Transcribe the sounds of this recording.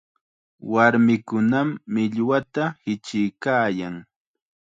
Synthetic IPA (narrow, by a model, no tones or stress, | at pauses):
waɾmɪkʊnamːɪʎwat̪ahɪt͡ʃɪjkaːjaŋ